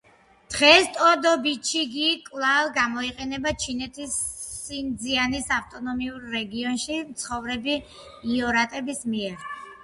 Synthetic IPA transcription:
d̪̥ʁɛst̪ʼɔd̪ɔbit͡ʃʰiɡikʼlˠavɡamɔiqʼɛnɛbat͡ʃʰinɛt̪ʰisːind̪zianisaft̪ʼɔnɔmiuɾːɛɡiɔnʃimt̪sʰχɔvɾɛbiː | ɔɾat̪ʼɛbismiɛɾ

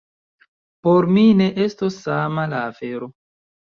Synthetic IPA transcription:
po̞ɾmine̞ʔe̞stosːamalaːfe̞ɾo̞

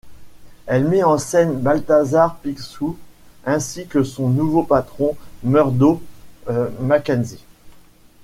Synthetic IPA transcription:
ɛlmɛɑ̃sɛnbalt̪azaʁpiksuɛ̃sikəsɔ̃nuvopat̪χɔ̃mœʁd̪o | makʲanzi

